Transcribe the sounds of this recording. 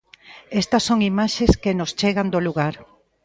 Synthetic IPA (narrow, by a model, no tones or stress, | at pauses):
est̪ɐsːoŋimaʃeskenost͡ʃeɣand̪oluɣaɾ